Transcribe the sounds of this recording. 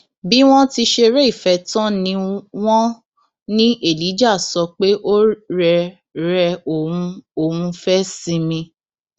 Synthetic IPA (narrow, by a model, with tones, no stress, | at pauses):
bi˦w̃ɔ̃˦ti˧˦ʃe˧ɾɛ˦i˦˨fɛ˧˦tã˦nĩ˧w̃ɔ̃˦ | nĩ˦ʔe˦˨li˨˦d͡ʒa˦˨sɔ˧k͡pe˦ʔo˦ɾɛ˧ | ɾɛ˧o˨ũ˧o˨ũ˧fɛ˦sĩ˧mĩ˧